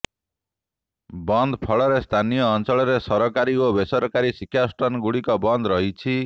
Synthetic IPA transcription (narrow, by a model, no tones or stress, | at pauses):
bɔnd̪ʱpʰɔɭɔɾest̪ʰanijɔːnt͡ʃɔɭɔɾesɔɾɔkaɾiobesɔɾɔkaɾisikʰːjasʈɔnɡuɽikɔbɔnd̪ɾɔɦit͡ʃʰi